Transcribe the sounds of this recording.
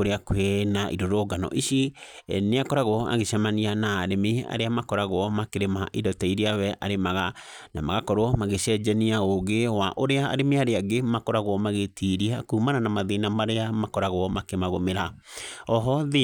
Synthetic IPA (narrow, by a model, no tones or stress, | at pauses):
oɾeakwenaʔḭɾoɾoɡanɔ̰ʔiɕineakɔɾaɣɔa̰ɣeʃamanianaːɾemea̰ɾeamakɔɾaɣowɔmakeɾemaʔidɔtɛiɾiawɛʔa̰ɾemaɣana̰maɣakɔɾwɔmaɣeɕɛd͡ʒɛniaoɣewaʔoɾea̰ːɾemeaɾeaɡemakɔɾaɣwɔmaɣetʰiɾiakuːmananamaðenamaɾeamakɔɾaɣwɔmakemaɣomeɾa | ɔɦɔði